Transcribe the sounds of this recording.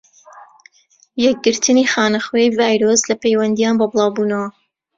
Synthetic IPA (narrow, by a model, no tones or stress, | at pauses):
jɛk̚ɡɨɾt̪ʰɨniːxaːnɐχwejvaːjɾoslɐpejwɐnd̪ijaːnbɐbɨlˠɑːwbuːnɐwɐ